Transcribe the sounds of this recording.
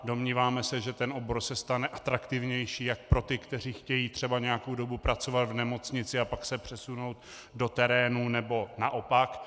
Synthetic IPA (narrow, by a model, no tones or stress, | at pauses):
do̞mɲiːvaːmɛsɛʒɛt̪ɛnʔobo̞ɾsɛst̪anɛʔat̪ɾakt̪ɪvɲɛjʃiːjak̚pɾo̞t̪ɪkt̪ɛr̝iːxcɛjiːt̪r̝̥ɛbaɲɛjako̞wdo̞bupɾat͡so̞vat̪vnɛmo̞t͡sɲɪt͡sɪapaksɛpr̝̥ɛsuno̞wt̪ | do̞t̪ɛɾɛːnunɛbo̞naʔo̞pak